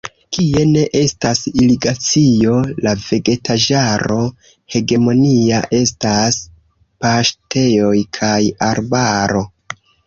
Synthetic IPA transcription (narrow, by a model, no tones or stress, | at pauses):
kie̞ne̞ʔe̞stasiliɡat͡sio̞lave̞ɡe̞tad͡ʒaɾo̞ | he̞ɡe̞mo̞niaʔe̞stas | paʃtʰe̞o̞jkʰajaɾbaɾo̞